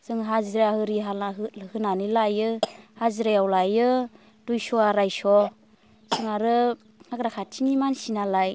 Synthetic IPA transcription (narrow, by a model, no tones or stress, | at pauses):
sɯŋɦaziɾahɯɾiɦalaɦɯhɯnanilajɯhaziɾajawlajɯ | dujsɔaɾajsɔ | sɯŋaɾɯ | ŋaɡɾakʰatʰinimansinalaj